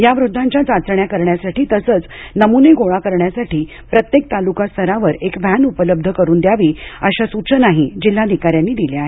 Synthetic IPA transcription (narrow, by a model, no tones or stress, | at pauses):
jaʋɾud̪ʱːãɲt͡ɕjat͡sat͡sɾəɳjakəɾɳjasaʈiːt̪əsət͡snəmuneɡoɭakəɾɳjasaʈiː | pɾət̪jek̚t̪alukast̪ʰəɾaʋəɾekʋænupələb̚d̪ʱəkəɾuːnd̪jaʋiːəɕasut͡ɕənaɦid͡ʑil̤ːad̪ikaɾjanːiːd̪ileaɦe